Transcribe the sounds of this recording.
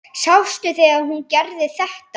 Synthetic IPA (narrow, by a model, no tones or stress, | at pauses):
sawst̪ʏθeaðhuncɛɾðɪθɛht̪